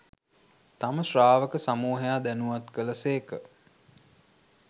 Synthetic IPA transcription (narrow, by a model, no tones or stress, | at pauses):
t̪aməʃraːʋəkəsamuːɦejaːd̪ænuʋat̪kələseːkə